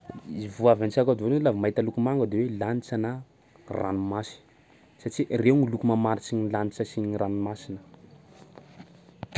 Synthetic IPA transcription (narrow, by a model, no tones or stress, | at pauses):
ivuavant͡ʃakad̪onlavimaɦit̪əlukumaŋɡəd̪ewelanit͡sanə | rʔa̰numasi̥ | saʈ͡ʂiʔreuŋulukumamaɾit͡ʃiɲilanit͡ʃəsiɲiranumasinə̥